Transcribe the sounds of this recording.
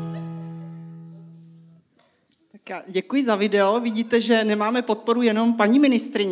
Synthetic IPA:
t̪akjaːɟɛkujɪzavɪdɛo̞vɪɟiːt̪ɛʒɛnɛmaːmɛpo̞t̪̚po̞ɾujɛno̞mpaɲimɪnɪst̪ɾɪɲ

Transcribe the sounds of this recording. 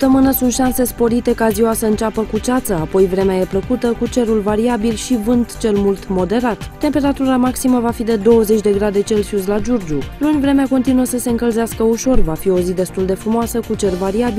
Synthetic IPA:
p̚t̪əmɨnəsunt̪ʃanse̞spo̞ɾit̪e̞kaziwasəɨnt͡ʃapəkut͡ʃat̪səapo̞jvɾe̞meaje̞pləkut̪əkut͡ʃe̞ɾulvaɾiabilʃivɨnt̪t͡ʃe̞lmult̪mo̞d̪e̞ɾat̪ːe̞mpe̞ɾat̪uɾamaksiməvafid̪e̞d̪o̞wəze̞t͡ʃʲd̪e̞ɡɾad̪e̞t͡ʃe̞lsuslad͡ʒurd͡ʒulunʲvɾe̞meako̞nt̪inuəsəse̞ɨŋkəlzeaskəuʃo̞rvafio̞zid̪e̞st̪uld̪e̞fɾumoasəkut͡ʃe̞rvaɾiabi

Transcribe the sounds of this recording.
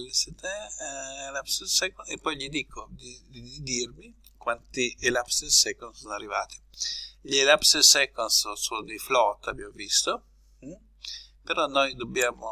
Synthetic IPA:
lisɛt̪ɛelapsesɛkonepːɔjʎid̪ikʰod̪id̪id̪id̪irmi | kwant̪ielapsesɛkonsɔnarːivaːt̪i̥ʎelapsesɛkonsosod̪iflɔt̪abjamvist̪o | peɾɔnɔjd̪objaːmo

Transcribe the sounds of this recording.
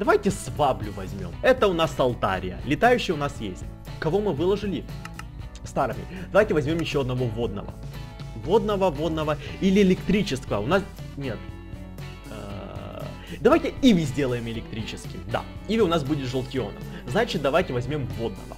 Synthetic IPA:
d̪̥ɐvajtʲɪsvablʲʊvɐzʲmʲo̞̰mɛt̪əʊnasɐlˠt̪a̰ɾʲɪ̰jə̰lʲɪt̪ajʉɕːɪjʊnasjesʲt̚ʲ | kɐvo̞mɨvɨlˠəʐɨlʲɪ | st̪aɾɨmʲɪ̰d̪ɐvajtʲɪvɐzʲmʲo̞mjɪɕːoɐd̪nɐvo̞vo̞d̪̚nə̰və̰vo̞d̪nəvəvo̞d̪̚nəvəilʲɪɪlʲɪkt̪ɾʲit͡ɕɪskəvəʊnas | nʲet̪ | ə | d̪ɐvajtʲɪivʲɪzʲdʲe̞lˠəjɪmɪlʲɪkt̪ɾʲit͡ɕɪskʲɪ̰jd̪a̰ivʲɪʊnasbudʲɪt̪ʐəlˠtʲɪo̞̰nə̰m | znat͡ɕɪt̪̚d̪ɐvajtʲɪvɐzʲmʲo̞mvo̞d̪̚nə̰və̰

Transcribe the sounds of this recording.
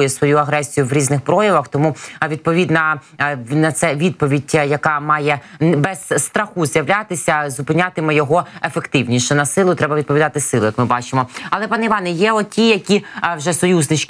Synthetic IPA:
jɛsʋɔjuɐɦɾɛsʲijʊʋɾʲiznɪxpɾɔjɐʋɐxt̪ɔmuʋʲid̪̚pɔʋʲid̪nɐ | nɐt̪sɛʋʲid̪̚pɔʋʲidʲjɐkɑmɑjɛbɛzst̪ɾɐxuzʲjɐʋlʲat̪ɪsʲɐzʊpɪnʲat̪ɪmɪjɔɦɔefekt̪ɪwnʲiʃɛnɐsɪlˠʊt̪ɾɛbɐʋʲid̪pɔʋʲid̪ɑt̪ɪsɪlˠʊjɐkmɪbɑt͡ʃɪmɔɐlˠɛpɑnɛiʋɑnɛjɛɔtʲijɐkʲiwʒɛsɔjuznɪt͡ʃ

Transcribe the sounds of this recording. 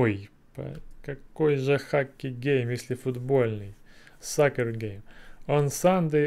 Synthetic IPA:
oj | pɐ̰kɐkojʐɨxakʲːɪɡʲejmjesʲlʲɪfʊd̪bolʲnɨj | sakərɡʲejmonsand̪ɨ

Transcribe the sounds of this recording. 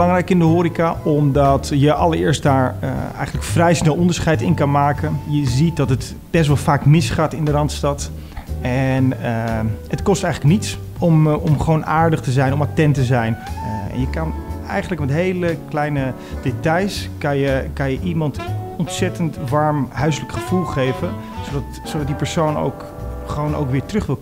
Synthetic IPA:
lɑŋɾɛjkɪndəɦoːɾikaɔmdɑtjəʔɑ̰lˠəɹɪːɹstdaːɹə̰ɛ̰jχən̩ləkfrɛjsnɛlˠɔndəɹsχɛjtɪnkɑnmaːkənjəzit̚dɑtɦət | b̥ɛstʋɑlˠfaːkmɪsχaːtɪndərɑntstɑt | ɛn | hətkɔstɛjələknits | ɔmɔmχəʋownʔaːɹdəχtəzɛjnɔmatɛntəzɛjnɛ̰njəkɑnɛjχənləkmɛtɦejləklɛjnə | detɑjskɑnjəkɑnjəʔimɑntɔntsɛtəntʋɑɹmɦœɥs̬ləkχəv̥ulˠχejvən | sodɑt | sowdɑt̚dipəɹsowno̰wk | χəʋowno̰wkʋɪːɹtrɵχʋɪlˠ

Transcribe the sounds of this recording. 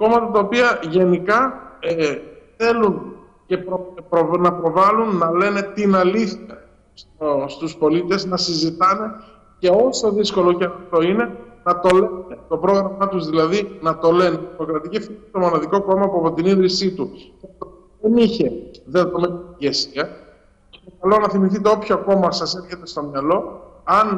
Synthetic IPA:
ko̞mɐt̪ɐt̪ɐopiɐʝe̞nikɐ | θe̞lun | ce̞pɾopɾonɐpɾo̞vɐlunːɐle̞ne̞t̪inɐliθçɐ | stost̪uspo̞lit̪e̞znɐsizit̪ɐne̞ | ce̞o̞so̞ðisko̞locenɐft̪o̞ine̞nɐt̪o̞le̞net̪o̞pɾo̞ɣɾɐmɐt̪uzðilɐðinɐt̪o̞le̞neimo̞kɾɐt̪icifit̪o̞mo̞nɐðiko̞ko̞mɐpuɐpo̞t̪iniðɾisit̪ucɐt̪o | ðe̞niçe̞ðet̪omet̪ʝe̞siɐ | et̪okɐlo̞nɐθimiθit̪̬e̞o̞pçoɐko̞mɐsɐse̞ɾçe̞t̪est̪o̞mɲɐlo̞ɐn

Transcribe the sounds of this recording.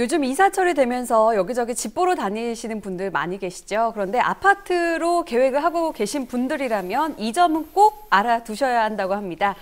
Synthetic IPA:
jod͡ʑɯmisʰat͡ɕʰʌɾidwe̞mjʌnsʰʌjʌɡid͡ʑʌɡint͡ɕip͈oɾotaniɕʰinɯnpundɯɭma̰ɲiɡe̞ɕʰi̥d͡ʑokɯɾʌnde̞ʔa̰pʰatʰɯɾoke̞we̞ɡɯɭɦaɡoke̞ɕʰinpundɯɾiɾamjʌnid͡ʑʌmɯnk͈oɡ̚aɾatuɕʰʌjaɦandaɡohamɲida

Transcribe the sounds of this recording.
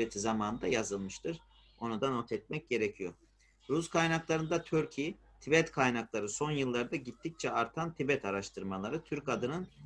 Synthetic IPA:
et̪ʰizamaːnɯnd̪ajazɯlˠmɯʃt̪ʰɯɾ̥ | o̞nud̪ano̞t̪ʰɛt̪̚mɛc̚ɟe̞ɾecʰijo̞ɾ | ɾuskʰajnaklˠaɾɯnd̪at̪ʰøɾcʰi | t̪ʰibɛt̪kʰajnaklˠaɾɯso̞njɯlˠːaɾd̪aɟit̪ʰːic̚t͡ʃʰɛaɾt̪ʰant̪ʰibɛt̪ʰaɾaʃt̪ʰɯɾmalˠaɾɯt̪ʰyɾkad̪ɯnɯn

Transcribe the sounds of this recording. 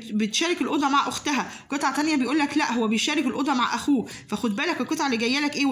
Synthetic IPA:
bet̪ʃæːɾekelʔod̪ˤɑmaʕʔoxt̪æɦæ | kot̪ˤʕɑt̪ænjæbejʔuːlːæklæʔɦowːæbejeʃæːɾekelʔod̪ˤɑmaʕʔæxuː | fæxod̪̚bæːlækelket̪ˤʕaleɡæjːælækʔeː

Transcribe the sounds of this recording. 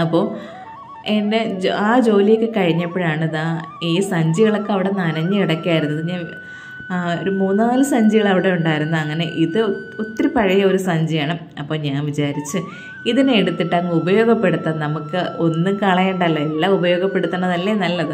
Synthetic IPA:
ɐpːo̞ː | ende̞aːd͡ʑo̞ːlijekːɨkɐɻiɲːɐpːoɻaːɳiðaːiːsɐɲd͡ʑiɣɐɭokːeɐʋiɽe̞nɐnɐɲːɨiɽɐkːiaːjiɾunːɐðɨɲaːn | oɾumuːnaːlɨsɐɲd͡ʑiɣɐɭɐʋiɽe̞uɳɖaːjiɾunːuɐŋːɐne̞ʔiðɨ | ot̪ːɾipɐɻɐjɐoɾusɐɲd͡ʑijaːɳɨ | ɐpːo̞ːɲaːnʋit͡ɕaːɾit͡ɕːɨ | iðineeɽut̪ːiʈːɐŋːubɐjo̞ːɡɐpːe̞ɽut̪ːɐnɐmukːɨʔo̞nːuŋkɐɭɐjeɳɖɐlːɐelːaubɐjo̞ːɡɐpːe̞ɽut̪ːuɳɐðɐlːenɐlːɐðɨ

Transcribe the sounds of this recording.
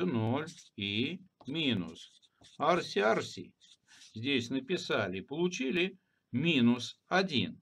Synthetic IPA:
ɨnolʲimʲinʊ̰s | arsʲɪarsʲḭ | zʲdʲesʲnəpʲɪsalʲɪpəlˠʊt͡ɕilʲɪ | mʲinʊsɐdʲin

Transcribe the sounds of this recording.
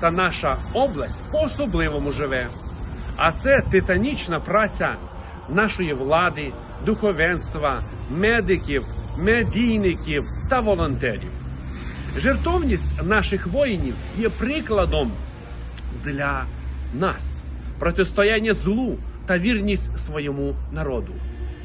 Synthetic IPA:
t̪ɐnɑʃɐɔblˠɐsʲtʲpɔːsɔblˠɪʋɔmʊʒɪʋɛ | ɐt̪sɛt̪ɪt̪ɐnʲit͡ʃnɐpɾat͡sʲɐ | nɑʃɔjiʋlˠɑd̪ɪ | d̪ʊxɔʋɛnst̪ʋɐmɛd̪ɪkʲiwmedʲijnɪkʲiwt̪ɐʋɔlˠɔnt̪ɛɾʲḭw | ʒert̪ɔwnʲisʲtʲnɑʃɪxʋɔjnʲiw | jɛpɾɪklˠɐd̪ɔm | d̪lʲɐnas | pɾɔtʲiwst̪ɔjanʲːɐzlˠut̪ɐʋʲirnʲisʲtʲsʋɔjɔmunɐɾɔd̪ʊ

